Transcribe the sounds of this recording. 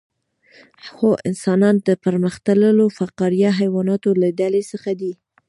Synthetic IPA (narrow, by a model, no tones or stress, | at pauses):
xoʔɪnsɑnɑnd̪əpəɾməxt̪aləlofaqɑɾijaɦajwɑnɑt̪olaɖalesəxad̪i